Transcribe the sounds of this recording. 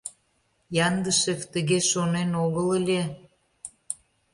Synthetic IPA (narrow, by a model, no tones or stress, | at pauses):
jɑnd̪əʃekt̪əɣeʃonenoɣələlʲe